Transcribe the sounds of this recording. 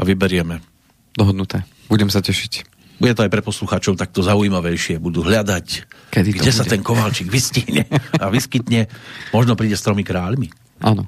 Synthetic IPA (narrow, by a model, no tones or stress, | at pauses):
aʋibɛɾɪɛmɛ | d̪ɔɦɔd̪nut̪ɛː | buɟɛmsacɛʃic | buɟɛt̪ɔajpɾɛt̪pɔsluxaːt͡ʃɔʊt̪ak̚t̪ɔzaujimaʋɛjʃɪɛbud̪uɦʎad̪ac | kɛd̪iɡdɟɛsat̪ɛnkɔʋalt͡ʃiɡʋisciɦɲɛ̰aʋiskit̪ɲɛmɔʒnɔpɾiːɟɛst̪ɾɔmikɾaːʎmi | ʔa̰ːnɔ